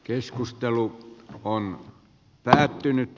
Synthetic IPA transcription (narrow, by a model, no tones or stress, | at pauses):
keskust̪eluon | pæːt̪ːynyt̪